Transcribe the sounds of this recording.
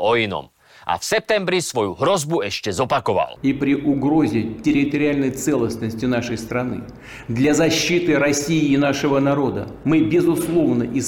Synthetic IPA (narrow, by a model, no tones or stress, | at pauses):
ɔinɔ̰m | ʔa̰fsɛp̚t̪ɛmbɾisʋɔjṵɦɾɔzbuɛʃcɛzɔpakɔʋa̰lˠipɾʲiʔʊɡɾozʲɪtʲɪɾʲɪt̪əɾʲɪalʲnəjt̪sɛlˠəsnəsʲtʲɪnaʂəjst̪ɾɐnɨ̰ | d̪lʲazɐɕːit̪ɨɾɐsʲijɪːnaʂəvənaɾo̞d̪ə̰mɨbʲɪzʊslˠovnəʔi